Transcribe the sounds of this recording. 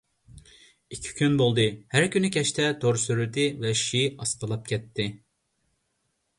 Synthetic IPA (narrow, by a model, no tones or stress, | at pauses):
ikʲʰi̥kʲʰynbolˠd̪ɨhæɾkʲynykʲʰɛʃt̪ʰɛd̪̥oɾsyɾyd̪ɪvɛʃiɑsqəlˠɑp̚kʲʰɛt̪ʰːɪ